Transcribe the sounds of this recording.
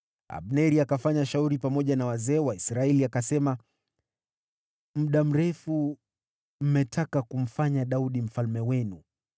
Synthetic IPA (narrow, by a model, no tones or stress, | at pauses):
a̰ɓnɛɾiakafaɲaʃauɾipamɔʄanawazɛːwaisɾaɛliakasɛma | m̩ɗam̩ɾɛfu | m̩mɛtʰakakum̩faɲaɗauɗim̩falmɛwɛnu